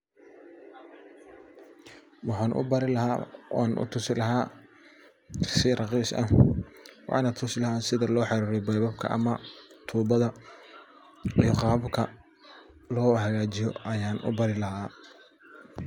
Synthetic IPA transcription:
wɑħaːnʔʊ̰bɐɾɪlɐɦaːwʔaːnʔʊ̰t̪ʰʊsɪlɐɦaː | sɪrɑqiːsʔɐ̰ | wɑ̰ʕɪnaːt̪ʰʊsɪlɐɦaːnsɪðɐlɔːħɑɾiːɾɛbɛjbɐbkʰɐ̰ʔɐ̰mɐt̪ʰuːbɐðɐ | iɔqɑːbkʰɐ | lɔːɦɐɣaːt͡ʃɪjɔ̰ʔɐjaːnʔʊ̰bɐɾɪlɐɦaː

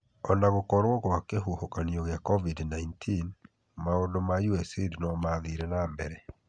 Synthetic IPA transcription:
ɔnaɣokɔɾwɔɣwakeɦuhokanijɔɣeakɔvidnaintʰin | maondomajuɛsedinɔmaðiɾɛnambɛɾɛ

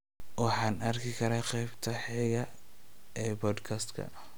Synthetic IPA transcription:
wɑħɑːnɐrkʰɪkʰɐɾaːqɛjbt̪ʰɐħɛːɣɐ | ɛːbɔːd̪kʰɐst̪kʰɐ̰

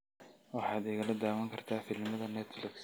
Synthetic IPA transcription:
wɑħɑːd̪ɛːɣɐlɐd̪aːwɐŋkʰɐrt̪ʰaːfɪlmɐðɐnɛt̪flɪks

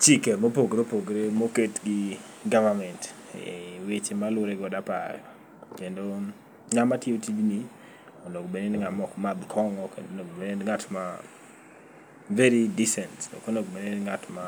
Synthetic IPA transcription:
t͡ʃikemopoɡɾopoɡɾemoketɡɪ | ɡavamɛnt | wit͡ʃmalʊɾɛɡɔdapa̰ɾ | kendo | ŋamatiotid͡ʒni | ɔnoɡbenenŋamɔkmabkʰɔŋɔkḛdonoɡbenenŋatma | veɾidisɛntɔ̰konoɡbenenŋatma

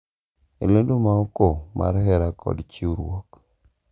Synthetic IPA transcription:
ḛlondomaɔkomʔa̰ɾɦɛɾakʰɔ̰dt͡ʃiuɾwɔk

